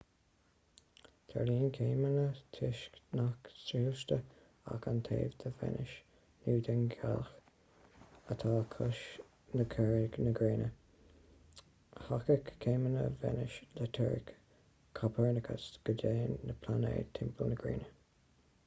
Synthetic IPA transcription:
t̪ʰa̰ɹliːnkʰeːmənət̪ʰɪʃknaksɾiːlʃt̪ə | a̰kant̪ʰeːvd̪ʰəvɛ̰nɪʃ | nuːd̪ɛnɡax | ət̪ʰaːkʰʊʃ | nəkʰɛɹknəɡɹeːnə | hakəkʰːeːmənə̰vɛ̰nɪʃlət̪ʰɛɹɪk | kʰːapʰɛɹnəkʰəsɡ̥ədeːnːəpʰlanḛːt̪ʰɛmpʰəlnəɡɹḛːnə

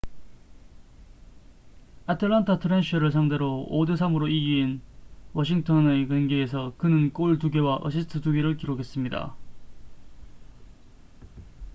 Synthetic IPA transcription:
atʰɯɭːantʰatʰɯɾenɕʰɯɾɯɭs̬ʰaŋde̞ɾoodɯsʰamɯɾoiɡiinwʌɕ̬ʰiŋtʰʌnekenɡees̬ʰʌkɯnɯnk͈oɭtuɡe̞waʔʌ̰ɕʰistʰɯtuɡeɾɯɭkiɾokʰe̞s͈ɯmɲida̰

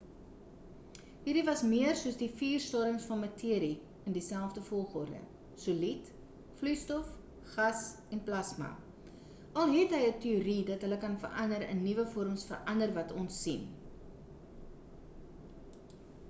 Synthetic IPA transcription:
ɦiːɾivɐsmiərsuəsdifiːrstɑːɾəŋsfɐnmətʰiəɾi | əndisælˠfdəfɔlˠχɔrdə̰ | sulit | flyjstɔf | χɐs | ɛnplɐsmɐ̰ | ʔɐlˠɦɛtɦəjətiuɾidɐtɦələkɐnfə̰rɐndəɾə̰nːivəfɔəɾəmsfərʔɐndərvɐtʰɔnsːin

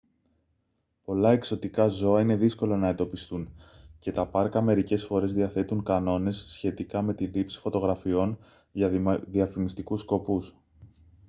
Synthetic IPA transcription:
po̞lɐe̞kso̞t̪ikɐzo̞ɐine̞ðisko̞lonɐend̪o̞pist̪unce̞t̪ɐpɐɾkɐme̞ɾice̞sfo̞ɾe̞zðiɐθe̞t̪uŋkɐno̞ne̞sːçe̞t̪ikɐme̞t̪ilipsi̥fo̞t̪o̞ɣɾɐfio̞n | ʝɐðiɐfimist̪ikusko̞pus

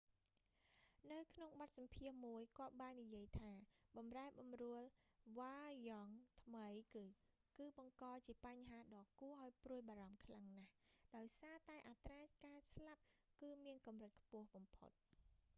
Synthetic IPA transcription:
nɨwkʰnoŋɓɑt̪̚sɑmpʰiəhmuəjkɔ̆əɓaːnːijiəjt̪ʰaːɓɑmraɛɓɑmrʊəlʋaːjɑŋt̪ʰməjkɨː | kɨːɓɑŋkɑːt͡ɕiəpaɲɦaːɗɑːkuəʔaɔjpruəjɓaːɾɑmkʰlaŋnahɗaɔjsaːt̪aɛʔat̪raːkaːslap̚kɨːmiənkɑmrɨt̪̚kʰpʊ̆əhɓɑmpʰo̰t̪̚

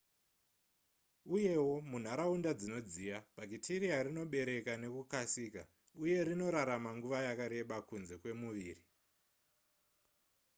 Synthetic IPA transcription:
uje̞wo̞mun̤aɾaundad͡zino̞d͡zijab̥ʱaɡitʰiɾiaɾino̞ɓe̞ɾe̞kane̞kukasiːka | uje̞ɾino̞ɾaɾamaŋɡuʋajakaɾe̞ɓakunze̞kwe̞muʋiːri

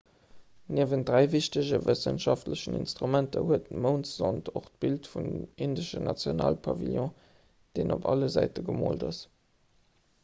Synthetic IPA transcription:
niəvəndʁæɪviɕtəʑəvəsənʃɑftləɕənḭnstʁumæntəhuətəməʊnszɑntʰoχt̚b̥iltfunindəʃənɑt͡sjona̰ːlpʰɑvḭljɔ̃ː | d̥eːnʔopɑ̰ləzæɪtəɡəmo̰ːldɑs

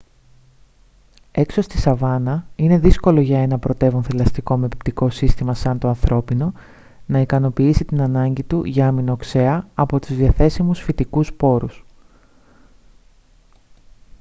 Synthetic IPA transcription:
e̞kso̞st̪isɐvɐnɐine̞ðisko̞lo̞ʝɐe̞nɐpɾo̞t̪e̞vunθilɐst̪iko̞mepip̚t̪iko̞sist̪imɐsɐnt̪o̞ɐnθɾʔo̞pino̞ | nɐikɐno̞piisit̪inɐnɐɲɟit̪uʝɐɐminokse̞ɐɐpo̞t̪uzðiɐθe̞simusfit̪ikuspo̞ɾus

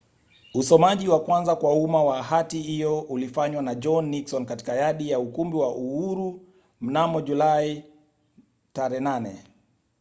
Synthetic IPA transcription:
usɔmaʄiwakwanzakwaumawaɦatihijɔulifaɲwanaʄɔnːiksɔnkati̥kajaɗijaukumbiwaʔuhuɾu | m̩namɔʄulai | taɾɛnanɛ̰

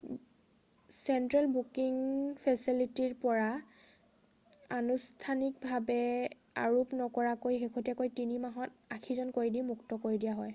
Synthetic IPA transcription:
sɛntɹalbukiŋpʰɛsilitiɹpɔɹa | anustʰanik̚bʱabɛ | a̰ɹupnɔkɔɹakojɦekʰotɛkojtinimaɦɔtakʰizɔnkoɹidimuktɔkoɹidijaɦɔj

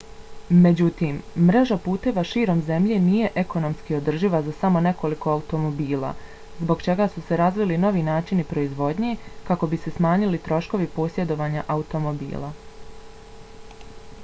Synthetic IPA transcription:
me̞d͡ʑut̪iːmːɾe̞ʒapuːt̪e̞ːʋaʃiːɾo̞mze̞mʎe̞ːniːje̞ʔeko̞no̞mskio̞d̪r̩ʒiʋazasamo̞ne̞ko̞liko̞aut̪o̞mo̞biːlˠa̰ | zbo̞ɡt͡ʃe̞ɡaːsuse̞ɾazʋilino̞ʋinaːt͡ʃinipɾo̞izʋo̞d̪ɲekako̞bise̞smaːɲilit̪ɾo̞ʃko̞ʋipo̞ːsje̞d̪o̞ʋaːɲaʔaut̪o̞mo̞bḭːla̰

